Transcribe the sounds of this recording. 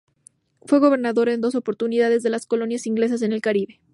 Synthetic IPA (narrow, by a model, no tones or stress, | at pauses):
fweɣo̞βe̞ɾnaðo̞ɾe̞nd̪o̞so̞po̞ɾt̪uniðaðe̞zðe̞lasko̞lo̞njasiŋɡle̞s̬as̬e̞ne̞lkaɾiβe̞̥